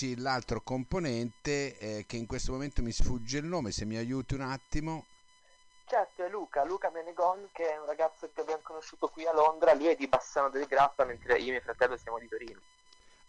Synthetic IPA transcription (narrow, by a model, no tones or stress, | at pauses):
ilalt̪ɾokomponɛnt̪ek̟eiŋkwest̪omoment̪omisfud͡ʒːeilnoːmesemːiajuːt̪iunat̪ːimo | t͡ʃɛrt̪oɛlːuːkaluːkameneɡɔnkeɛunraɡat̪sːokevɛnkonoʃːuːt̪okwialond̪ɾaliɛd̪ːibasaːnod̪eleɡɾafament̪ɾeʔiːomiofɾat̪ɛlːosjaːmod̪it̪oɾiːno